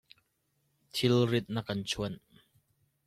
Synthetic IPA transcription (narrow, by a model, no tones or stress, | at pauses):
t̪ʰilrit̪̚nɐkːɐnt͡sʰuən